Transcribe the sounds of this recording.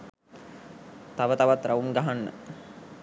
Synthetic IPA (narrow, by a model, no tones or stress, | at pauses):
t̪aʋət̪aʋat̪ɾaʋumɡaɦanːə̰